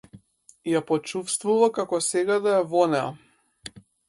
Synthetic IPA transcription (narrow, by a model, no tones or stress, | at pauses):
japɔt͡ʃufst̪vuvakakɔsɛɡad̪ajavɔnɛa̰